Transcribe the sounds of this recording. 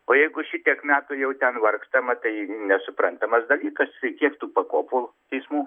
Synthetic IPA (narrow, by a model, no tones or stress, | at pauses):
oːjɛɪɡʊʃʲɪt̪ʲiɛkmʲæːt̪ʊjɛʊt̪ʲɛnʋɐrkst̪ɐmɐt̪ɐɪnʲɛsʊpɾɐnt̪ɐmɐsd̪ɐlʲiːkɐsɐɪkʲiɛkt̪uːpɐkoːpolˠʊt̪ʲɛɪsmuː